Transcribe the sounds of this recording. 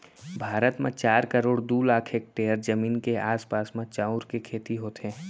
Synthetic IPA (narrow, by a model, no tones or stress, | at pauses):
bʱaːɾət̪mẽt͡ʃaːɾkəɾoːɽd̪uːlaːkʰeːk̚ʈeːəɾd͡ʒəmiːnkeaːspaːsmẽt͡ʃaːʊɾkekʰeːt̪iɦoːt̪ɛ̃ː